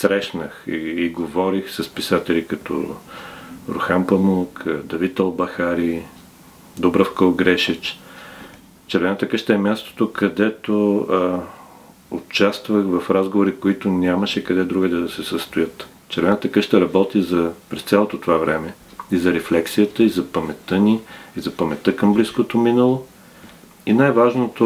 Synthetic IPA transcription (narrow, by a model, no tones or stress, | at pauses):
sɾɛʃnəxiːɡovɔɾixsɐspisat̪ɛlʲikɐt̪ɔ̰ | ɾʊ̰xampɐmulˠkd̪ɐvit̪ɐlˠbɐxaɾi | d̪ɔbɾɐfkəlˠɡɾɛʃit͡ʃ | t͡ʃɛɾvɛnət̪əkɤʃt̪əɛmʲjast̪o̥t̪okʰɐd̪ɛt̪o | ot͡ʃast̪vɐxvɐfɾazɡovoɾikoit̪ʊnʲaməʃɛkɐd̪ɛd̪ɾuɡɛd̪ɐd̪ɐsɛsəst̪ʊjɤt̪ | t͡ʃɛɾvɛnət̪əkɤʃt̪əɾɐbɔt̪izɐpɾɛst̪sʲalˠot̪ot̪ovavɾɛmɛ | izɐɾɛflɛksijət̪əizɐpɐmɛt̪ənʲiizɐpɐmɛt̪əkɐmbliskot̪ominəlˠo | inajvaʒnot̪o